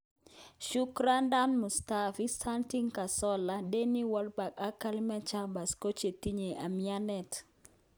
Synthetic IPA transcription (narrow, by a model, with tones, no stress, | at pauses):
ʃu˦kɾa˦nda˦nmu˨stafi˦sa˦nti˦ŋka˨sɔ˦la˦de˦ni˦wɔ˦lba˨ka˦ka˦lma˦t͡ʃa˦ba˨sko˦t͡ʃe˨ti˦ɲe˨ʔa˨mia˦nɛ˨t